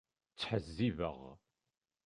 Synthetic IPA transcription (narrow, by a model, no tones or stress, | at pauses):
t͡sːħəzːivə̰ʁ